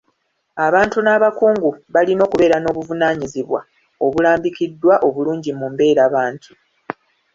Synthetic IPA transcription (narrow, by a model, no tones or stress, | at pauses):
aβaːntunaβakuːŋɡuβalino̞ːkuβe̞ːɾano̞ːβuvunaːɲiziβwa̰ | o̞βulaːmbikidːwaʔo̞βuluːɲɟimumbe̞ːɾaːβaːntʰu